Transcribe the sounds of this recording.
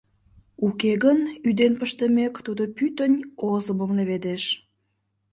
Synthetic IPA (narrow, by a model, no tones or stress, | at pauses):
ukeɣənyd̪enpəʃt̪əmekt̪ud̪opyt̪ənʲozəməmleβed̪eʃ